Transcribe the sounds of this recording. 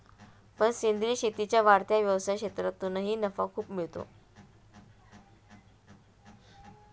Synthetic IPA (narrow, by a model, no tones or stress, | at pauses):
pəɳsend̪ɾiːɕet̪it͡ɕjaʋaɾt̪jaʋjəʋsajket̪ɾət̪ːunəɦiːnəfa̰kʰuːpmiɭt̪o̰